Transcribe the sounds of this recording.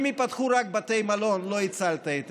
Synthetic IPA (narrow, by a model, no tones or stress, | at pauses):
mipat̪χuɾak̚bat̪ejmalo̞nlo̞it͡salt̪aet̪